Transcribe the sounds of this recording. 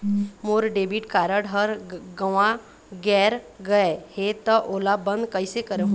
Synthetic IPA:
moːɾɖeːbiʈkaːɾəɽɦəɾɡəʋã | ɡɛːɾɡɐehet̪əʔoːlabə̃nd̪kəisekəɾeɦ

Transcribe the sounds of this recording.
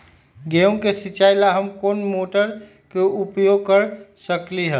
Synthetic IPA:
ɡeõkesit͡ʃaɪlaɦəmkoːnmoʈəɾ | keupjoɡ̚kəɾsəkliɦə

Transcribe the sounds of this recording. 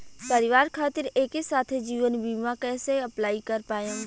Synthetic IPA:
pɐɾɪʋaːɾkʰaːt̪ɪɾeːkisaːt̪ʰed͡ʒiːʋənbiːmãkɛːseɐplaːikɐɾpaːjə̃

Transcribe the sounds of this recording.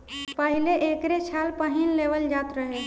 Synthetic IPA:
pəɦileʔekɾet͡ʃʰalpəɦinleʋəld͡ʒat̪ɾəɦe

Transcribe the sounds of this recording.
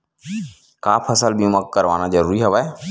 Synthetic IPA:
kaːpʰəsəlbijũməkːəɾʋa̰ːnazəɾuːɾiɦəʋaːe

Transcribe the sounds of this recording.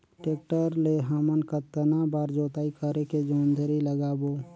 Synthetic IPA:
ʈeːk̚ʈəɾleɦamənkat̪ənabaːɾd͡ʒoːt̪aːikʰəɾeked͡ʒoːnd̪ʱəɾiləɡaːboː

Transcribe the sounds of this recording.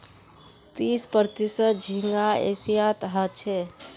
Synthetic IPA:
t̪ispəɾt̪isət̪̚d͡ʒʱiŋɡaḛsijat̪ɦət͡ʃʰɛ

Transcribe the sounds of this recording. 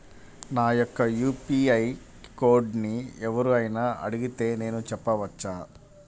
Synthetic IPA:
naːjɔkːɐjuːpiɐj | koːɾɖniɛʋɐɾuɐjnaːɐ̰ɽiɡit̪e̞ːne̞ːnut͡ʃɛpːɐʋɐt͡ʃːaː

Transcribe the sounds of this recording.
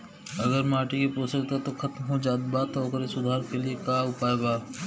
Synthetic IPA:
ɐɡəɾmaːʈikipoːsəkt̪at̪oxʰɐt̪mɦod͡ʒaːd̪bat̪ɔːkəɾesʊd̪ʱaːɾkeliekaːʊpaːebaː

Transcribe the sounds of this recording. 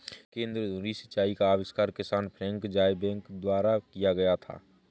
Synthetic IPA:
kẽːnd̪ɾəd̪ʱũɾisɪ̥t͡ʃaːikaːʋɪskaːɾkɪsaːnpʰɾɛ̃ːŋkd͡ʒaːjebɛ̃ːŋkd̪waːɾakijaɡɐjat̪ʰa̰ː

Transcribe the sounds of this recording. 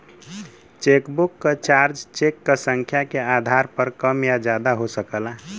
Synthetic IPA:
t͡ʃekbukːət͡ʃaɾd͡ʒt͡ʃekːəsəŋkʰjakead̪ʱaɾpəɾkəmjad͡ʒad̪aɦosəkəla

